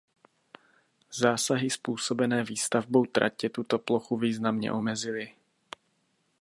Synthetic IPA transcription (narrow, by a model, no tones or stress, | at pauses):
zaːsaɦɪspuːso̞bɛnɛːviːst̪avbo̞wt̪ɾʔa̰cɛt̪ut̪oploxuviːznamɲɛ̰ʔomɛzɪlɪ